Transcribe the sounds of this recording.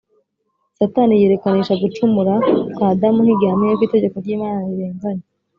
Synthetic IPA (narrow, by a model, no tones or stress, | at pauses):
sataːnije̞ːɾe̞kaniːʃaɡut͡ʃumuɾaadamuŋiɡaamijokwiːte̞ɟe̞koɾɟiːmaːnaɾiɾeːnzaɲe